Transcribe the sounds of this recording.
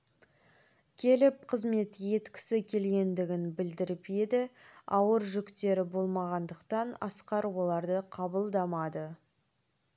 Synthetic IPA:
kʲʰe̞lɪp̚qʰəzme̞t̪je̞t̪kʲɪ̥sɪkʲʰe̞lɡʲe̞nd̪ɪɡʲɪnbɪld̪ɪɾɪped̪ɪɑwəɾʒʏkt̪e̞ɾɪbo̞lˠmɑʁɑnd̪əqt̪ɑnɑ̰sqɑɾwo̞lˠɑɾd̪əqʰɑbəlˠd̪ɑmɑd̪ə

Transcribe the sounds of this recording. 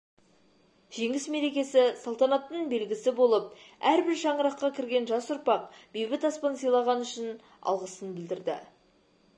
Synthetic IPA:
ʒ̥e̞ŋʲɪsme̞ɾe̞kʲe̞sɪsɑlˠt̪ɑnɑt̪ːəɴbe̞lɡʲɪsɪbo̞lˠəp̚æɾbɪɾʃɑɴəɾɑqːɑkʲʰɪɾɡʲe̞nʒɑsʊɾpɑq̚b̥ijbɪt̪ɑspɑnsijlˠɑʁɑnʏʃɪn | ɑ̰lˠʁəsənbɪld̪ɪɾd̪ɪ̰

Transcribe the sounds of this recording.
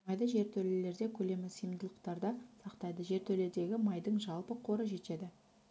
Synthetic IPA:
mɑjd̪əʒe̞ɾt̪ʰɵle̞le̞ɾd̪e̞kʲʰɵle̞mɪsəjəmd̪əlˠəqt̪ɑɾd̪ɑsɑqt̪ɑjd̪əʒe̞ɾt̪ʰɵle̞d̪e̞ɡʲɪmɑjd̪əɴʒɑlˠpəqʰo̞ɾəʒe̞t̪e̞d̪ɪ

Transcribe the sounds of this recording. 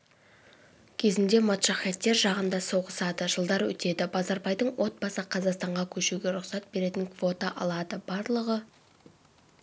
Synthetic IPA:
kʲʰe̞zɪnd̪e̞mot̪ʃɑχɑt̪ːe̞ɾʒɑʁənd̪ɑso̞ʁəsɑd̪əʒəlˠd̪ɑɾwɵ̰t̪e̞d̪ɪbɑzɑɾbɑjd̪əɴwʔo̞t̪̚bɑsəqʰɑzɑqst̪ɑɴʁɑkʲʰɵʃuɡʲe̞ɾʊqsɑt̪̚be̞ɾe̞t̪ɪŋkʰvo̞t̪ɑʔɑlˠɑd̪əbɑɾlˠəʁə

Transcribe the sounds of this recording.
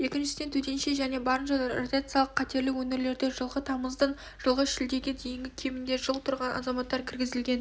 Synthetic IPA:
je̞kʲɪnʃɪ̥d̪e̞nt̪ʰɵd̪e̞nʃeʒæne̞bɑɾənɑd̪ɑɾrod̪ʲiat̪sɨjɑlˠəqʰːɑt̪e̞ɾlɪwɵne̞ɾle̞ɾd̪e̞ʒəlˠʁət̪ʰɑməzd̪ən | ʒ̥əlˠʁəʃɪld̪e̞ɡʲɪd̪e̞jɪŋɡʲɪkʲʰe̞mɪnd̪e̞ʒəlˠt̪ʰʊɾʁɑnʔɑ̰zɑmɑt̪ːɑɾkʲʰɪɾɡʲɪzɪlɡʲe̞n

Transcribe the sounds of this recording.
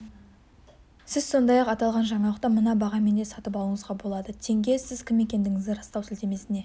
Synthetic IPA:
sɪzso̞nd̪ɑjɑqɑt̪ɑlˠʁɑnʒɑɴɑlˠəqt̪ɑmənɑbɑʁɑme̞nd̪e̞sɑt̪əpɑlˠəɴəzʁɑbo̞lˠɑd̪ət̪ʰe̞ŋɡʲe̞sɪzkʲʰɪme̞kʲe̞nd̪ɪŋɪzd̪ɪɾɑst̪ɑwsɪlt̪e̞me̞sɪne̞

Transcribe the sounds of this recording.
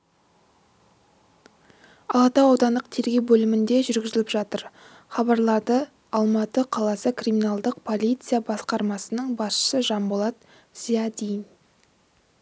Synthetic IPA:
ɑlˠɑt̪ɑːwd̪ɑnd̪əq̚t̪ʰe̞ɾɡʲe̞wbɵlɪmɪnd̪e̞ʒʏɾɡʲɪzɪlʲɪpʒɑt̪əɾ | χɑbɑɾlˠɑɾd̪ə | ɑlˠmɑt̪əqʰɑlˠɑsəkriminɑlˠd̪əq̚pʰo̞lijt̪sɨjabɑsqɑɾmɑsənəɴbɑsʃə̥səʒɑmbolˠɑt̪ | z̥ijɑd̪ʲijn

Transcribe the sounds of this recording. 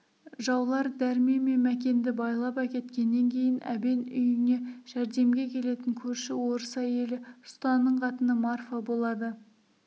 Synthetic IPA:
ʒɑwlˠɑɾd̪æɾmeme̞mækʲe̞nd̪ɪbɑjlˠɑpækʲe̞t̪kʲe̞nːe̞ŋkʲʰe̞jɪnʔæ̰be̞nʏjɪne̞ʒ̥æɾd̪e̞mɡʲe̞kʲʰe̞le̞t̪ɪŋkʲʰɵɾʃɪwo̞ɾəsæje̞lɪsʊ̥t̪ɑnːəɴqʰɑt̪ənəmɑrfəbolˠɑd̪ə

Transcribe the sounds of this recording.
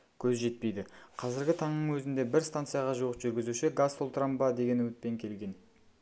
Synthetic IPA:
kʲʰɵzʒe̞t̪̚pe̞jd̪ɪqʰɑzɪɾɡʲɪt̪ʰɑɴnəɴwɵzɪnd̪e̞bɪɾst̪ant̪sɨjaʁɑʒuəpʒʏɾɡʲɪzuʃɪɡasːolˠt̪əɾambɑd̪e̞ɡʲe̞nwɵt̪̚pe̞ŋkʲʰe̞lɡʲe̞n

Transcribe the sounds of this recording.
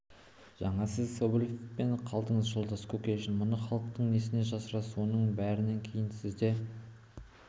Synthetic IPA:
ʒ̥ɑɴɑsɪzsobulʲefpe̞ɴqʰɑlˠd̪əɴəzʒolˠd̪ɑskʰɵkʲeʃɪnmʊnəχɑlˠəq̚t̪əɴnesɪneʒɑsəɾɑsonəɴbæɾɪne̞ŋkʲʰe̞jɪnsɪzd̪e̞

